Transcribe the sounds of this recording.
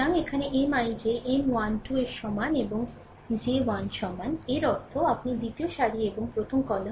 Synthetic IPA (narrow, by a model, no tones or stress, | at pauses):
aŋekʰaneʔemajd͡ʑeʔemwanʈueɾʃɔmaneboŋ | d͡ʑewanʃɔmaneɾɔɾt̪ʰoapnid̪it̪ioʃaɽieboŋpɾot̪ʰomkɔle